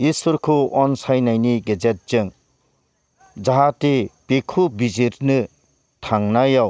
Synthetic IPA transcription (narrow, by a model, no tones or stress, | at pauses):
isuɾkʰoɔnsajnajniɡed͡ʒet̚t͡ʃɯŋ | d͡ʒaɦatepekʰubizeɾnɯ | tʰaŋnajaw